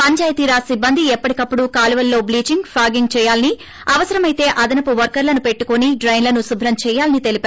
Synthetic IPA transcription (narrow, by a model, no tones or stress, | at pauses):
pɐɲt͡ʃaːjɐt̪iːɾasibːɐnd̪ʱiɛpːɐʈikɐpːuɽukaːluʋɐlːo̞ːbliːt͡ʃiŋɡpʰlaːɡiŋɡt͡ʃɛːjaːlɐni | ɐʋɐsɐɾɐmɐjt̪e̞ːʔɐd̪ɐnɐpuʋɐɾkɐɾlɐnupe̞ʈːukoniɖɾɐjnlɐnusubʱɾɐmt͡ʃɛːjaːlɐnit̪e̞lipːɾ